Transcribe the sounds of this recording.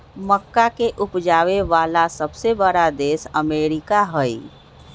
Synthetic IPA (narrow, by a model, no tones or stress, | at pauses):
məkːakeʔupd͡ʒaːʋeʋalasəbsebəɽad̪esəmeɾikaɦəj